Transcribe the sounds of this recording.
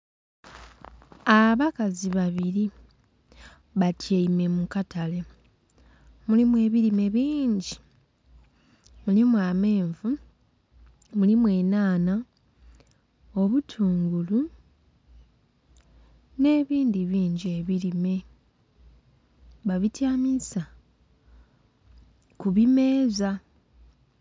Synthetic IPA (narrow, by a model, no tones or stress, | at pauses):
aβakaziβaβiɾi | βatʰjeime̞mukatale̞ | mulimwe̞ːβilime̞βiːɲɟi | mulimwaːme̞ːɱvu | mulimwe̞ːnaːna | o̞βutʰuːŋɡulu | ne̞ːβiːndiβiːɲɟie̞βilime̞ | βaβitjaːmisa | kuβime̞ːza